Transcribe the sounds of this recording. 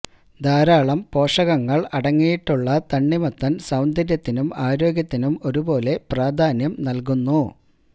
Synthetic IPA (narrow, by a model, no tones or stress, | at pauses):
d̪ʱaːɾaːɭɐmpo̞ːʂɐɣɐŋːɐɭɐɽɐŋːijiʈːuɭːɐt̪ɐɳːimɐt̪ːɐnsɐwnd̪ʱɐɾjɐt̪ːinumaːɾo̞ːɡjɐt̪ːinumo̞ɾubo̞ːle̞praːd̪ʱaːnjɐmnɐlkunːu